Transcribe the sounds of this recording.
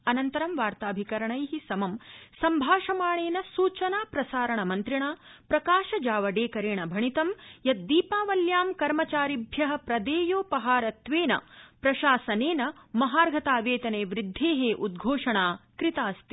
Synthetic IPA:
ɐnɐnt̪ɐɾɐmʋaːɾt̪aːbʱikɐɾɐɳɐjɦisɐmɐmsɐmbʱaːʂɐmaːɳeːnɐsuːt͡ʃɐnaːpɾɐsaːɾɐɳɐmɐnt̪ɾiɳaːpɾɐkaːʃɐd͡ʒaːʋɐɖeːkɐɾeːɳɐbʱɐɳit̪ɐmjɐt̪̚d̪iːpaːʋɐljaːmkɐɾmɐt͡ʃaːɾibʱjɐɦɐ̆pɾɐd̪eːjoːpɐɦaːɾɐt̪ʋeːnɐ̰pɾɐʃaːsɐneːnɐmɐɦaːɾɡʱɐt̪aːʋeːt̪ɐneːʋɾid̪ʱːeːɦeːʔud̪̚ɡʱoːʂɐɳaːkɾit̪aːst̪i

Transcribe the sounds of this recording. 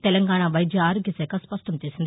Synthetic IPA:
t̪ɛlɐŋɡaːɳaʋɐjd̪jɐaːɾoɡʱjɐsɛːkaspɐʂʈɐmt͡ʃeːsind̪i

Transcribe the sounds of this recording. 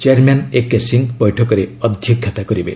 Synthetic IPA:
t͡ʃaɾmanekːesiŋbɔjʈʰɔkɔɾeʌd̪ʱjɔkʰːjɔt̪akɔɾibḛ

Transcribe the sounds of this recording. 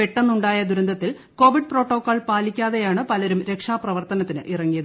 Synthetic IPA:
eʈːɐnːuɳɖaːjɐd̪uɾɐnd̪ʱɐt̪ːil | ko̞ːʋiɖ̚pro̞ːʈːoːkːoːɭpaːlikʲːaːðe̞jaːɳɨpɐlɐɾumɾe̞kʂaːprɐʋɐrt̪ɐnɐt̪ːinɨʔirɐŋːijɐðɨ

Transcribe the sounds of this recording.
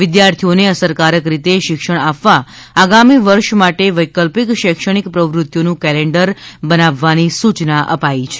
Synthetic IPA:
ʋɪd̪jaɾt̪ʰioneəsəɾkaɾəkɾit̪eʃɪkʃəɳ̃apʋa | aɡamiʋəɾʃmaʈeʋəjkəlpikʃəkʃəɽ̃ikpɾəʋɾʊt̪jonũkɛleɳɖəɾbənaʋːanisut͡ʃnaʔəpait͡ʃʰe̥

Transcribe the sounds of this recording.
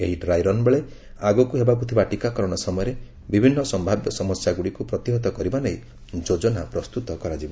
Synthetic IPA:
eɦiɖɾajɾɔnbeɭe | aɡɔkuɦebakut̪ʰibaʈikakɔɾɔɽ̃ɔsɔmɔjɔɾe | bibʱinːɔsɔmbʱabjɔsɔmɔsjaɡuɽikupɾɔt̪iɦɔt̪ɔkɔɾibanej | d͡ʒod͡ʒɔnapɾɔst̪ut̪ɔkɔɾad͡ʒibɔ

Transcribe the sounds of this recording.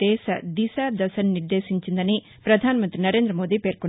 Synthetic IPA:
ɛːsɐ̰d̪isaːd̪ɐsɐnːiɾd̪e̞ːʃiɲt͡ʃind̪ɐni | pɾɐd̪ʱaːnɐmɐnt̪ɾinɐɾe̞ːnd̪ɾɐmo̞ːd̪iːpe̞ːɾko

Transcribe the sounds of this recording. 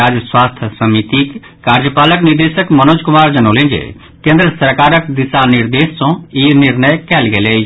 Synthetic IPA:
aːd͡ʒəswaːst̪ʰəsəmit̪ik | kaːɾd͡ʒəpaːləknɪɾd̪eːʃəkmənoːd͡ʒkʊmaːɾd͡ʒənoːlẽːd͡ʒḛ | kẽːnd̪ɾəsəɾkaːɾəkd̪ɪsanɪɾd̪eːsːõinɪɾnəjkɛːlɡeleː

